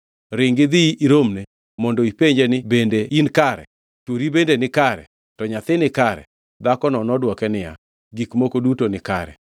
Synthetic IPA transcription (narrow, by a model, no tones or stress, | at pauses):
ɾɪŋɡɪd̪iiɾomne | mɔndɔipeɲd͡ʒenɪbendeinkaɾɛ̰ | t͡ʃwoɾibendenɪkaɾɛ̰ | tɔɲat̪ɪnɪkaɾɛ̰ | d̪akɔnɔnɔdwɔkɛnɪja̰ | ɡikmokodutonɪkaɾɛ̰